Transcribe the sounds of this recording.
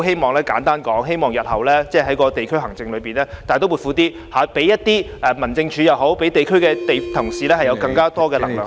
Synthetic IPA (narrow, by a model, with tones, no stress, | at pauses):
wɦe˥jmɔː˨ŋlɛː˥kaː˨˥nt̪aː˥nkɔː˨˥ŋɦe˥jmɔː˨ŋjɐ˨t̚hɐ˨˩wlɛː˥t͡sɛː˥˩ɦɐ˨˥jkɔː˧t̪e˨jkʰɵ˥ɥɦɐ˨˩ŋt͡sɪ˧ŋlɵ˨˧ɥpiː˨˩nlɛː˥t̪aː˨t̪o˥wuː˨˩tfuː˨˧˥t̪iː˥ | haː˨˥pe˨˥jɐ˥t̚t̪iː˥ɛː˨˩mɐ˨˩nt͡sɪ˧ŋt͡ʃʰyː˨˥jɐ˨˩wɦo˨˥wpe˨˥jt̪e˨jkʰɵ˥ɥkɛː˧t̪e˨jt̪ʰʊ˨˩ŋsiː˨˧lɛː˥hɐ˨jɐ˨˧wkɐ˧ŋkaː˥t̪ɔː˥kɛː˧lɐ˨˩ŋlœː˨˩